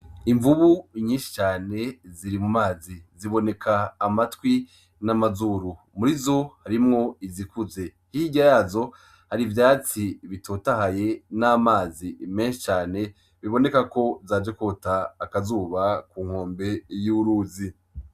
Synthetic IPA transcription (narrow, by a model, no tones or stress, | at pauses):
iɱvuβuɲiːnʃi̥t͡ʃaːne̞ziɾimumaːziziβo̞ne̞kʰaːmatwi | namazuɾu | muɾizo̞haɾimŋo̞izikuze̞ | hiɟajaːzo̞ | haɾivjaːt͡siβitʰoːtahaje̞namaːzime̞ːnʃit͡ʃaːne̞ | βiβo̞ne̞kako̞zaːd͡ʒekotaːkazuːβakuːŋ̥ho̞ːmbe̞juɾuːzi